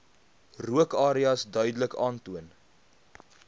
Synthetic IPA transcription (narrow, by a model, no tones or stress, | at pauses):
ruəkɑːɾiɐsdœɥdələkɑːntuən